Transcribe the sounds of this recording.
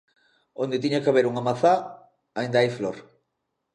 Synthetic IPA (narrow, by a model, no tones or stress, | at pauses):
ond̪ɪt̪iɲakaβeɾuŋamaθa | aind̪aajfloɾ